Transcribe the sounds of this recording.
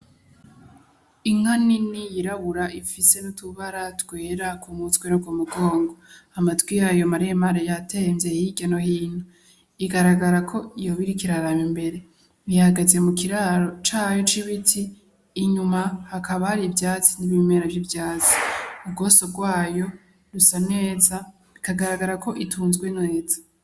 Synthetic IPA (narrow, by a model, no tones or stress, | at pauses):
iŋ̥haninijiɾaβuɾaʔifise̞nutuβaɾatwe̞ːɾakumutɡwenuɡwomuɡo̞ːŋɡoamatɡwijajo̞maɾiemaɾejatemzehiɟanohiːn̥hu | iɡaɾaɡaɾakʰo̞ijo̞βiɾikiɾaɾamimbe̞ɾe̞ | βihaɡaze̞mukiɾaɾo̞t͡ʃaːjo̞t͡ʃiβitʰiː | ɲumahakʰaβahaɾibjaːt͡siniβimeːɾavjivjaːt͡si̥ubɡo̞sobɡwaːjo̞ | ɾusane̞ːza | ikaɡaɾaɡaɾako̞ʔitʰuːnzɡwenŋeːzḁ